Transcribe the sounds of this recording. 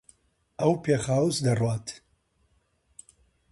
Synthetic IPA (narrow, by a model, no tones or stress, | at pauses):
ɐwpʰeːχaːwusd̪ɐrwaːt̪ʰ